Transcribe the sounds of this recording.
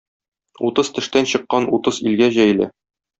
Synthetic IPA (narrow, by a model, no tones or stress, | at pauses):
ut̪ɤz̥t̪ɘ̆ʃt̪ænɕɤ̆qːɑnut̪ɤzilɡæʑæjlɘ̰